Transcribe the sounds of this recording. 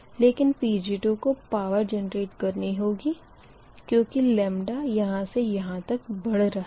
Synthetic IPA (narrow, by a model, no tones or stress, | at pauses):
leːkɪnpiːd͡ʒiːʈukopaːʋəɾd͡ʒɛnəɾeːʈkɐɾniɦoːɡi | kjõːkilɛ̃ːmɖajɐɦãsejɐɦãt̪ɐkbɐɽɾɐɦ